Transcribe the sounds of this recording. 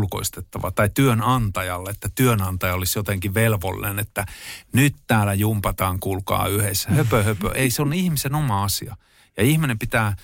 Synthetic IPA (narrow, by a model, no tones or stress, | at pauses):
lko̰ist̪et̪ːɑʋɑ̰t̪ɑit̪yønɑnt̪ɑjɑlːeet̪ːæt̪yønɑnt̪ɑjɑolisjot̪eŋkiʋelʋo̰lːḭnenet̪ːænyt̪t̪æːlæjumpɑt̪ɑːŋkulkɑ̰ːyhesːæhøpøhøpø̰ʔeiseonihmisenomɑɑsiɑ | jɑihminempit̪æː